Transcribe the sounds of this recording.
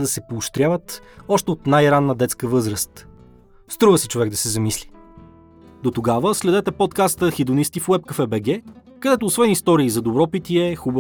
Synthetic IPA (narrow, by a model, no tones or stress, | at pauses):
d̪ɐsɛpoːʃt̪ɾjavət̪ɔʃt̪ɛot̪najɾanːəd̪ɛt̪skəvɤzɾəst̪ | st̪ɾuvəsɛt͡ʃovɛɡd̪ɐsɛzɐmisli | d̪ot̪oɡavəslɛd̪ɛt̪ɛpɔt̪kast̪əxid̪ʊnist̪ifwɛpkɐfɛbɛɡɛ | kɐd̪ɛt̪oːsvɛnist̪ɔɾiːzɐd̪obɾɔpit̪ʲiɛxubə